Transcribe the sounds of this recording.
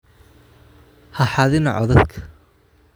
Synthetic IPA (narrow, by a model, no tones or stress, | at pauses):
hɐħɑðɪnɐʕɔðɐd̪kʰɐ̥